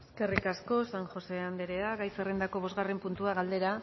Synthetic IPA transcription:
eske̞rikasko̞saŋʝo̞se̞and̪eɾeaɡajserend̪ako̞β̞o̞zɣare̞mpunt̪uaɣald̪e̞ɾa

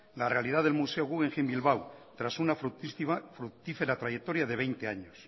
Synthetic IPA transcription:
larealið̞aðe̞lmuseoɣuɣeŋxembilβawt̪ɾasunaf | fɾut̪ifeɾat̪ɾajek̚t̪o̞ɾjaðe̞β̞ejnt̪eaɲos

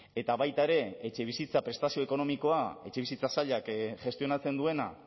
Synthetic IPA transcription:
e̞t̪aβajt̪aeɾe̞et͡ʃe̞βisit͡sapɾe̞st̪asio̞eko̞no̞miko̞ae̞t͡ʃe̞βisit͡sasaʎakʝe̞st̪io̞nat͡se̞nd̪ue̞na

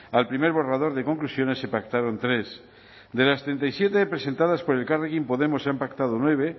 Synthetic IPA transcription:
alpɾimeɾβorað̞o̞ɾðeko̞ŋklusjo̞nesːepak̚t̪aɾont̪ɾes | d̪elast̪ɾent̪ajsjet̪epɾese̞nt̪að̞aspo̞ɾelkareɣimpoðemoseampakt̪að̞onweβ̞e

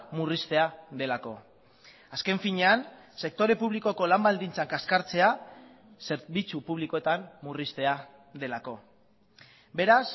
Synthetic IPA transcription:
murist̪e̞aðe̞lako̞ | aske̞ɱfiɲe̞anse̞k̚t̪o̞ɾe̞puβ̞liko̞ko̞lambald̪int͡saŋkaskaɾt͡se̞a | se̞ɾβit͡supuβ̞liko̞et̪ammːurist̪e̞a | ðe̞lako̞ | be̞ɾas

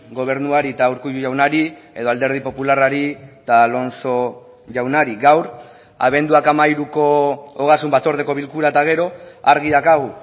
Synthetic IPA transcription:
ɡo̞β̞e̞ɾnuaɾit̪awɾkuʎuʝawnaɾie̞ðo̞ald̪e̞ɾð̞ipo̞pularaɾit̪alo̞nso̞ | ʝawnaɾiɡawɾ | a̰β̞e̞nd̪uakamajɾuko̞oɣ̞asumbat͡so̞ɾðeko̞β̞ilkuɾat̪aɣ̞e̞ɾo̞aɾɣ̞iðakaɣ̞u

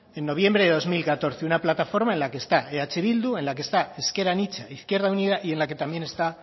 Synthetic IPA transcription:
e̞nːo̞β̞je̞mbɾe̞ðeðo̞zmilkat̪o̞ɾθeunaplat̪afo̞ɾmae̞nlakeːst̪aeat͡ʃeβild̪ue̞nlak̬est̪aeske̞ɾanit͡ʃaiθkje̞ɾð̞auniðaʔie̞nlake̞t̪ambje̞ne̞st̪a

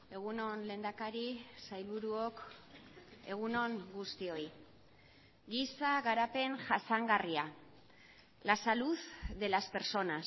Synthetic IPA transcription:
e̞ɣ̞uno̞nle̞ːnd̪akaɾisajlβuɾuo̞k | e̞ɣ̞uno̞ŋɡust̪io̞j | ɡisaɣaɾape̞nʝasaŋɡaria | lasaluθðe̞laspe̞ɾso̞nas

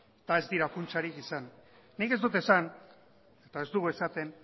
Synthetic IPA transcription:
et̪ae̞zd̪iɾakunt͡saɾikisanː | ike̞zd̪ut̪̬e̞san | e̞t̪ae̞zd̪uɣue̞sat̪e̞n

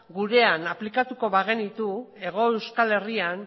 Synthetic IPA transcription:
ɡuɾe̞anaplikat̪uko̞βaɣe̞nit̪ue̞ɣ̞o̞ewskale̞rian

